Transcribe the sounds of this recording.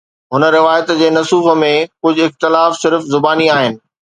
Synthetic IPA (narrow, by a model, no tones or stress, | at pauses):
ɦʊnəɾɪʋaːjət̪d͡ʑeːnɐsuːfə̆mẽkʊd͡ʑʱʊɪxt̪ɪlaːfsɪɾfzʊbaːniaːɦɪnɪ̆